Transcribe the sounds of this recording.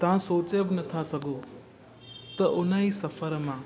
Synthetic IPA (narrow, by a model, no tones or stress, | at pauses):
t̪ɐʋãsoːt͡ʃebɪnɐt̪ʰasɐɡʱo | t̪ɐʔʊnəisɐfʰəɾmãː